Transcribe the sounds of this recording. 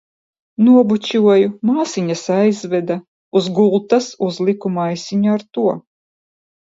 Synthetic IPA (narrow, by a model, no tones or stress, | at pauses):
nuɔbut͡ɕʲuɔjumaːsiɲasajzvɛd̪a | uzɡulˠt̪asuzlˠikumajsiɲuaɾt̪uɔ